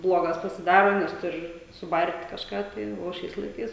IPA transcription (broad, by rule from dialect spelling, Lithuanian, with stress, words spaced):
ˈblˠoːɡɐs pɐsʲɪˈdɑːroː nʲɛs tʊrʲ sʊˈbɐrʲtʲ kɐʃˈkɑː tɐɪ oː ˈʃʲɛɪs lˠɐɪˈkɐɪs